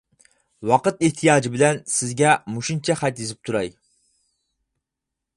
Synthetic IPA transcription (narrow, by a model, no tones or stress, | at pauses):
wɑqɨt̪ɪht̪ʰijɑːd͡ʒibɪlɛnsɪzɡʲɛmuʃunt͡ʃʰɛχæt̪jizɪp̚t̪ʰuɾɑj